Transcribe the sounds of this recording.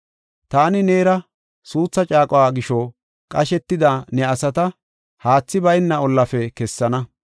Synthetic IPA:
t̪aːnɪne̞ːɾɐ | suːt͡sːɐt͡ʃʼaːkʼɔwaːɡɪʃɔ | kʼɐʃɛt̪ːɪd̪anɛɐsɐt̪ɐ | haːt͡sːɪbɐjɪnːɐɔlːɐfɛkɛsːɐnɐ

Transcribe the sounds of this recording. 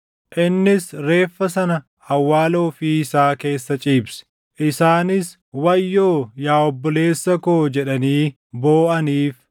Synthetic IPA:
ʔɪnːɪsɾe̞ːfːɐsɐnɐ | ɐwːaːloːfiːɪsaːke̞ːsːɐt͡ʃʼiːbsɛ̥ | ʔɪsaːnɪs | wɐjːoːjaːɔbːɔle̞ːsːɐkoːd͡ʒɛᶑɐniː | boːʔɐniːf

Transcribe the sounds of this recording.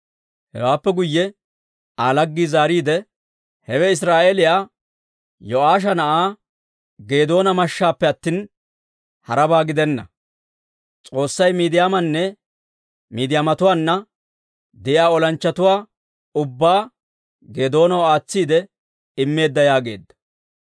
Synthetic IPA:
hɛ̰waːpːɛɡʊjːɛ | aːlɐɡːizaːɾiːd̪ɛ | hɛwɛɪs̬ɾaːʔeːlɪjaː | jɔaːʃ̬ɐnɐʔaː | ɡe̞ːd̪o̞ːnɐmɐʃːaːpːɛɐt̪ːiːn | hɐ̰ɾɐbaːɡɪd̪ɛnːɐ̰ | t͡sʼo̞ːsːɐjmiːd̪ɪjaːmɐnːɛ | miːd̪ɪjaːmɐt̪ʊwaːnːɐ | d̪ɛjaːɔlɐnt͡ʃːɐt̪ʊwaː | ʊbːaː | ɡe̞ːd̪o̞ːnɐwaːt͡sːiːd̪ɛ | ɪmːe̞ːd̪ːɐjaːɡe̞̰ːd̪ːɐ̥

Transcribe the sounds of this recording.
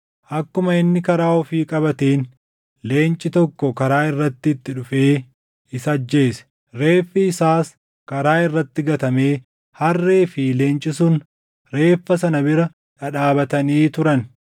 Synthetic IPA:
ʔɐkːʊmɐɪnːɪkɐɾaːɔfiːkʼɐbɐt̪eːn | le̞ːnt͡ʃʼːɪt̪ɔkːɔkɐɾaːɪrːɐt̪ːɪːt̪ːɪᶑʊfe̞ː | ɪsɐd͡ʒːe̞ːsɛ̥ | ɾe̞ːfːɪɪsaːs | kɐɾaːɪrːɐt̪ːɪɡɐt̪ɐme̞ː | hɐrːeːfile̞ːnt͡ʃʼɪsʊn | ɾe̞ːfːɐsɐnɐbɪɾɐ | ᶑɐᶑaːbɐt̪ɐniːt̪ʊɾɐn

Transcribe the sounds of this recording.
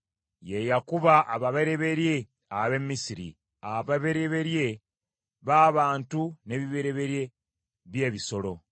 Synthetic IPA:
je̞jakuβaːβaβeɾe̞βe̞ɾje̞ | aβe̞mːisiɾḭ | aβaβe̞ɾeβe̞ɾje̞ | βaːβaːntune̞βiβeɾe̞βe̞ɾje̞ | βje̞ːβiso̞lo̞̰

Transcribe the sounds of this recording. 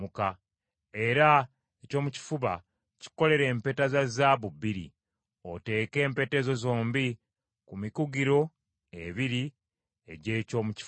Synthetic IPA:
uka | e̞ɾa | eco̞ːmuci̥fuβa̰ | ci̥ko̞le̞ɾe̞ːmpe̞ːtazazaβubiɾḭ | o̞te̞ːke̞ːmpe̞ːte̞ːzo̞zo̞ːmbi | kumikuɡiɾo̞ | eβiɾi | e̞ɟe̞ːco̞ːmuci̥

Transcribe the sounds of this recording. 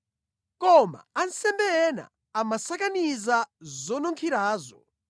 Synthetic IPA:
kɔma̰ansɛmbɛɛna̰ | amasak̬anizazɔnuŋkʰiɾaːzɔ

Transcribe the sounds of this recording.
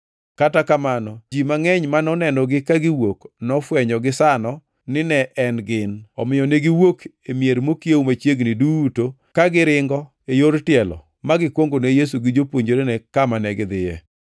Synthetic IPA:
katakamanɔd͡ʒimaŋɛɲmanɔnɛnɔɡɪkaɡɪwoknɔfwɛɲɔɡɪsanɔ | nɪnɛʔɛnɡɪnɔmɪjɔneɡɪwok | emjeɾmokjewmat͡ʃjeɡnɪduːto | kaɡɪɾɪŋɡɔ | ejoɾtɪɛlɔ̰ | maɡɪkwoŋɡonejes̬uɡɪd͡ʒopwoɲd͡ʒoɾenɛkamanɛɡɪd̪ɪjɛ

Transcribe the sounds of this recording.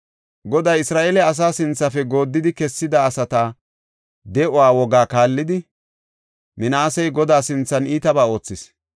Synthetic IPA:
ɡɔd̪ɐjɪsɾaːʔeːlɛɐs̬aːsɪnt͡sːɐfɛɡo̞ːd̪ːɪd̪ɪkɛsːɪd̪ɐːsɐt̪a | d̪ɛʔɔwaːwɔɡaːkaːlːɪd̪ɪ | mɪnaːsɛjɡɔd̪aːsɪnt͡sːɐniːt̪ɐbaːo̞ːt͡sːɪs

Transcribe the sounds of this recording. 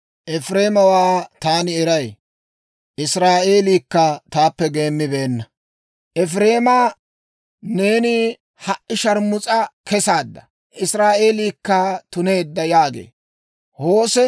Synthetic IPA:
ʔɛfɾe̞ːmɐwaːt̪aːnɪɛɾɐj | ʔɪsɾaːʔe̞ːliːkːɐt̪aːpːɛɡe̞ːmːɪbe̞ːnːɐ | ʔɛfɾe̞ːmaː | ne̞ːnɪ | hɐʔʔɪʃɐɾmʊt͡sʼɐkɛsaːd̪ːɐ̥ | ʔɪsɾaːʔe̞ːliːkːɐt̪ʊne̞ːd̪ːɐjaːɡḛː | ho̞ːsɛ

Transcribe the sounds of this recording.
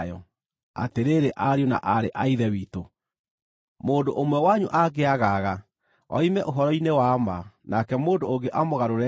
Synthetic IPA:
jɔ̰ | a̰teɾeɾeʔaɾeona̰ʔaɾeʔaiðɛwiːto | moːndoʔomwɛwaɲuʔaɣeaɣaɣa | ɔ̰imɛʔoɦɔɾɔinewamanakɛmoːndooŋɡeʔamoɣaɾoɾɛ

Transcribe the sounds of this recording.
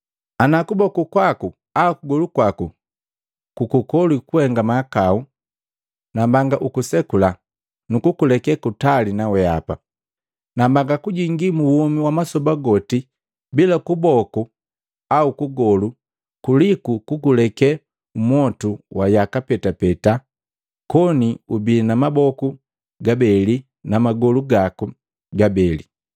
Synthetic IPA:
anakubɔkukwaku | aukuɡɔlukwaku | kukukɔlikuhɛŋɡamaːkau | nambaŋɡaʔukusɛkula | nukukulɛkɛkutalinawɛa̰pa | nambaŋɡakuɟiŋɡimuwɔmiwamasɔbaɡɔti | bilakubɔku | aukuɡɔlu | kulikukukulɛkɛ | umwɔtuwajakapɛtapɛta | kɔniubinamabɔku | ɡabɛli | namaɡɔluɡaku | ɡabɛlḭ

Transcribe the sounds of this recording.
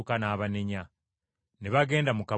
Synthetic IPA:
kanaːβaneɲa | neβaɡe̞ːndamuka

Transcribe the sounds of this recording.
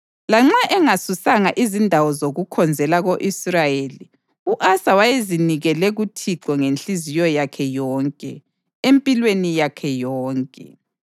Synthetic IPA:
laŋ͡ǁaʔɛŋasusaŋaʔizindʱawɔzoɣukʰɔnd͡zʱɛlaɣoʔisrajeli | uʔasawajeziniɣɛlɛɣutʰiǃɔŋenɬizijɔjakʰɛjɔːŋkʼɛ̰ | empʼilwenijakʰɛjɔːŋkʼɛ

